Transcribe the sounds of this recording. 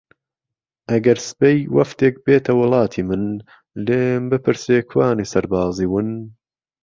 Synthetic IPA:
ʔɐɡɐɾsɨ̥pejwɐ̰ft̪eːk̚beːt̪ʰɐwɨlˠɑːt̪ʰiːmɨn | leːmbɨpʰɨɾseːkʰwaːnisɐɾbaːziːwɨn

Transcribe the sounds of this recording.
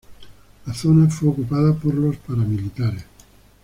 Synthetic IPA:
laθonafweokupaðapoɾlo̞spaɾamilit̪aɾes

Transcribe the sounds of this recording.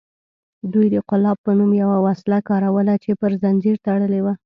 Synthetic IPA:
d̪ujd̪əqʊlɑb̚pːənumjawawaslakɑɾawəlat͡ʃepəɾzand͡ʒiɾt̪aɽəlewa

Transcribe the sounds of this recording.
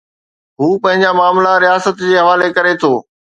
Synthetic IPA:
ɦuːpɐ̃ɦɪ̃ɲd͡ʑamaːmlaɾijaːsət̪d͡ʑeːɦɐʋaːlekɐɾet̪ʰoː

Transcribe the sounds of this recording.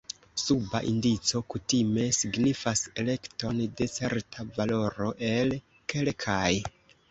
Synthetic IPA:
suba̰ʔindit͡so̞kutime̞siɡnifase̞le̞kto̞nde̞t͡se̞̰ɾtʰavalo̞ɾo̞ʔe̞l | ke̞lkʰaj

